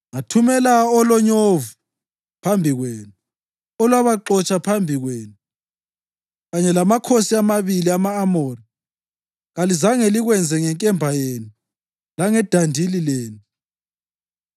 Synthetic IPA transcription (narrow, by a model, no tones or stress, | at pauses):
ŋatʰumɛlaɔlɔɲovu | pʰambʱiɣweːnu | ɔlwaβaǃɔt͡ʃʼapʰambʱiɣweːnu | ɣaɲɛlamakʰosiamaβiliamaːmɔːri | ɣalizaŋɛliɣwɛnd͡zʱɛŋɛŋkʼɛmbʱajeːnu | laŋɛd̥ʱandʱilileːnu